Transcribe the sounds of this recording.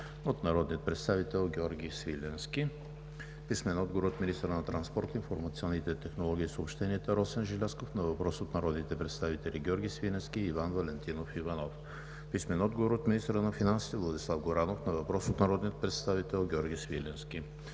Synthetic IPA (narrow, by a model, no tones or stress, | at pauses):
ot̪nɐɾɔd̪nijət̪pɾɛt̪st̪avit̪ɛlˠɡʲɔɾɡʲisvilʲɛnskʲi | pismɛnɔd̪ɡovoɾot̪minist̪əɾənɐt̪ɾɐnspɔɾt̪əinfoɾmɐt̪siɔnːit̪ɛt̪ɛxnolˠɔɡʲiːsopʃt̪ɛniɛt̪əɾɔsɛnʒɛlʲaskofnɐvɐpɾɔsot̪nɐɾɔd̪nit̪ɛpɾɛt̪st̪avit̪ɛlʲiɡʲɔɾɡʲisvilʲɛnskʲiːvanvɐlɛnt̪inofivɐnɔf | pismɛnɔd̪ɡovoɾot̪minist̪əɾənɐfinansi̥t̪ɛvlˠɐd̪ʲislˠafɡoɾanofnɐvɐpɾɔsot̪nɐɾɔd̪nijət̪̚pɾɛt̪st̪avit̪ɛlˠɡʲɔɾɡʲisvilɛnskʲi